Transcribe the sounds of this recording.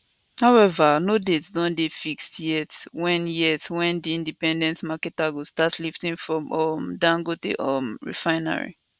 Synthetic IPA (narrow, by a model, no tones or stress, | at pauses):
haʊɛvanodetsdɔ̃ndefikstjɛtwɛ̃njɛtwɛ̃ndiĩndipɛ̃ndɛ̃ntmakɛtaɡostatʰliftĩŋfɹɔ̃mɔmdãŋɡotḛʔɔmɹḭfãɪna̰ɹḭ